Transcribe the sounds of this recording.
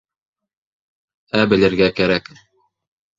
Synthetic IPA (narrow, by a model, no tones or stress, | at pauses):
æbɘ̆lɘ̆ɾɡækæɾæk